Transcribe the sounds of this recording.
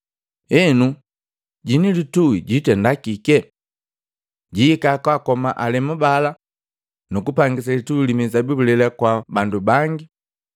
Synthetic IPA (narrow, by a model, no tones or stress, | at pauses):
ɛnu | ɟinilituiɟitɛndakikɛ | ɟiːkakwakɔma̰ʔalɛmubala | nukupaŋɡis̬alituilimizabibulɛlɛkwabandubaŋɡi